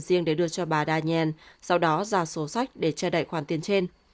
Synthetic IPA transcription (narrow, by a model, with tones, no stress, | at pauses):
zi˧əŋɗe˧˩ɗɨ˧ət͡ɕɔ˧ɓaː˨˩ɗaː˧ɲɛ˧nsa˧wɗɔ˨˦zaː˧˩so˨˦sa˦˥jk̟̚ɗe˧˩t͡ɕɛː˧˩ɗa̰ː˧˨jxwaː˧˩nt̪i˨ənt͡ɕe˧n